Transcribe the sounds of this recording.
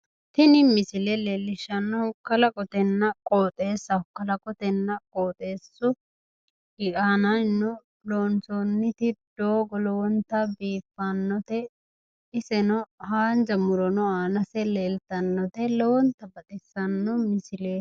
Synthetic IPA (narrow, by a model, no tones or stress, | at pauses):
t̪ɪnɪmɪsɪlɛleːlːɪʃɐnːɔʊkːɐlɐkʼɔt̪ɛnːɐkʼoːt̪ʼe̞ːsːɐʊkːɐlɐkʼɔt̪ɛnːɐkʼoːt̪ʼe̞ːsːʊ | ɡɪkʼaːnɐnnʊ | loːnsoːnːɪt̪ɪd̪̥oːɡɔlɔwɔnt̪ːɐbiːfːanːɔt̪ɛ | ɪsɛnɔhaːnd͡ʒɐmʊɾɔnɔaːnɐsɛleːlt̪ɐnːɔt̪ɛlɔwɔnt̪ːɐbɐt̪ʼɪsːɐnːɔmɪsɪleː